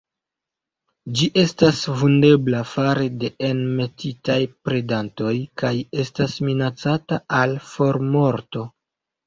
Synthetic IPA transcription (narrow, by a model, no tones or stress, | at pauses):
d͡ʒiʔe̞stasvunde̞blafaɾede̞enme̞titajpɾe̞danto̞jkaje̞stasminat͡sataalfo̞ɾmo̞ɾto̞